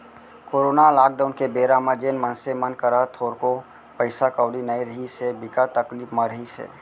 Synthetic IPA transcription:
koːɾoːnalaːk̚ɖaːʊnkebeːɾamãd͡ʒeːnmə̃nsemənkəɾat̪ʰoːɾko | pəɪsakəʊɽinəiɾəɦisebɪkat̪əkliːpmə̃ɾəɦisḛː

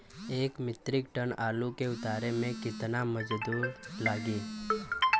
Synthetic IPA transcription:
eːkmɪt̪ɾɪk̚ʈənaːlukeʊt̪aːɾemẽkɪt̪naməd͡ʒd̪uːɾlaːɡiː

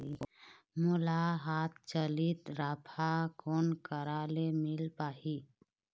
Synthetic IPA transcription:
mʊlaɦat̪ʰt͡ʃəlit̪ɾaːpʰakonkəɾalemilpaːi

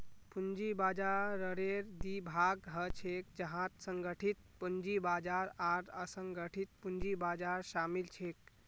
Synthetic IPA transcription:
pund͡ʒibad͡ʒaɾəɾeɾd̪ibʱaɡɦət͡ʃʰek̚d͡ʒəɦãt̪səŋɡəʈʰit̪̚pəɲd͡ʒibad͡ʒaɾaɾəsəŋɡəʈʰit̪̚puɲd͡ʒibad͡ʒaɾsamilt͡ʃʰek̚

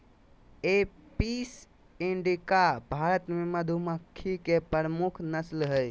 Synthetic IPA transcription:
epis | ĩɳɖikabʱaɾət̪meməd̪ʱuməkʰːikepəɾəmukʰnəslɦəj

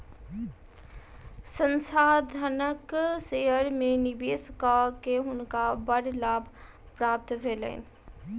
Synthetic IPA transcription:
sə̃nsaːd̪ʱənəkseːəɾmẽnɪbeːskakeɦʊnkabəɽlaːbʱ | pɾaːp̚t̪ʋʱeːlḛːn

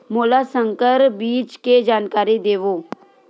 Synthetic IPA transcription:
moːlasə̃ŋkəɾbiːt͡ʃked͡ʒaːnkaːɾid̪eːʋo

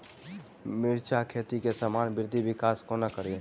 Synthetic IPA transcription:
miɾt͡ʃʰakʰet̪ikesəmaːnbɪɾd̪ʱibɪkaːskonəkəɾi

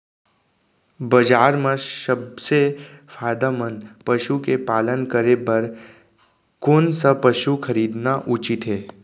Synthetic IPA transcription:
bɐd͡ʒaːɾmẽsəbsefʰaːd̪amənpəʃukepaːlənkəɾebɐɾ | koːnsɐpəʃukʰɐɾiːd̪naʔut͡ʃɪt̪ɦeː

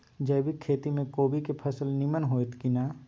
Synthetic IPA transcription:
d͡ʒɛːbʱikʰeːt̪imẽkoːbʱikepʰɐsəlnimənɦoːet̪kinaː

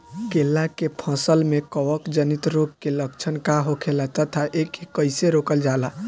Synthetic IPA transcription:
kelːakepʰə̃səlmekəʋəkd͡ʒənit̪ɾoɡ̚keləkt͡ʃʰənkaɦokʰelat̪ət̪ʰaʔekekəɪseɾokəld͡ʒala

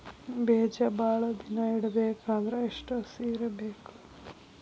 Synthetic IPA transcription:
beːd͡ʒɐbaːɭɐd̪inɐiɽɐbeːkaːd̪ɾɐeʂʈɐsiːɾɐbeːku̥

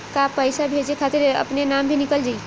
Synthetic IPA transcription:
kapəjsabʱed͡ʒekʰat̪iɾə̰pnenambʱinikəld͡ʒaj

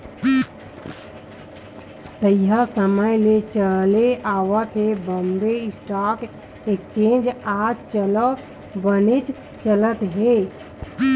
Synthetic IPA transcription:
t̪əijasəməjlet͡ʃəleʔaːwət̪ɦebəmb̪eɪsʈak | ek̚t͡ʃẽnd͡ʒad͡ʒt͡ʃələ | bənet͡ʃ | t͡ʃələt̪ɦe

